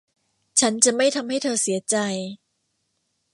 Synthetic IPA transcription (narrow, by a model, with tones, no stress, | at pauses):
t͡ɕʰa˦˥nt͡ɕa˨˩ma˥˩jt̪ʰa˧mha˥˩jt̪ʰɤː˧si˩˦ɐt͡ɕa˧j